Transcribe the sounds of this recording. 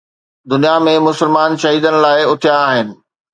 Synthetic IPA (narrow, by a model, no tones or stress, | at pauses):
d̪ʊnijamẽmʊsɪlmaːnʃɐɦiːd̪ənɪ̆laːɪʊt̪ʰijaːɦɪnɪ̆